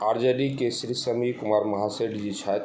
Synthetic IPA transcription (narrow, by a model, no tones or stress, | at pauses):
aɾd͡ʒəɖikesɾisəmikumaɾmɐɦaseɖd͡ʒit͡ʃʰat̪